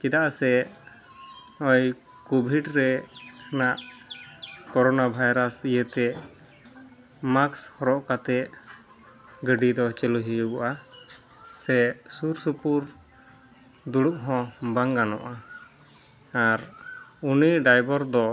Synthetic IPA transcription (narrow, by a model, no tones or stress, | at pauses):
t͡ʃid̪aʔasɛ | ɔj | kubʱiɖɾɛhənaʔ | kɔɾɔnabʱajɾasijət̪ɛ | makshɔɾɔʔkat̪ɛʔ | ɡəɖid̪ɔt͡ʃɛluɦibɔʔa | sɛsuɾsupuɾ | d̪uɽuʔɦɔ̃baŋɡanɔ̰ʔa | aɾuniɖajbɔɾd̪ɔ